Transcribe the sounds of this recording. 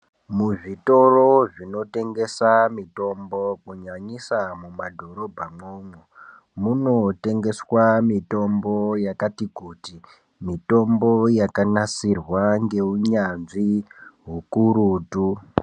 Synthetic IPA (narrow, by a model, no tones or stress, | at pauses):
muʐito̞roʐino̞te̞ŋɡe̞samito̞mbokuɲaɲisamumadʱo̞ɾo̞bʱamoːmwo | muno̞te̞ŋɡe̞swamito̞mbojakatikuːti | mito̞mbojakanasirwaŋɡe̞uɲanʐiɦukuɾuːtu